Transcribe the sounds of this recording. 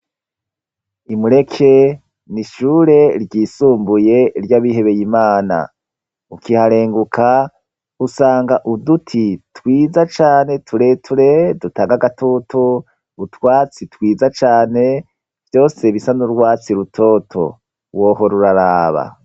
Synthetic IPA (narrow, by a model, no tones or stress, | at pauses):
imuɾe̞kʰe̞ | niʃuːɾe̞ɾɟiːsuːmbuje̞ɾjaβiɦe̞βe̞jimaːna̰ | ukihaɾe̞ːŋɡukʰa | usaːŋɡaʔudutʰitwiːzat͡ʃaːne̞tʰuɾe̞tʰuɾe̞dutaːŋɡaɡatutu | utwaːt͡sitwiːzat͡ʃaːne̞ | v̥jo̞ːse̞βisanuɾɡwaːt͡siɾutʰo̞tʰo̞̰ | wo̞ho̞ɾuɾaɾaːβa̰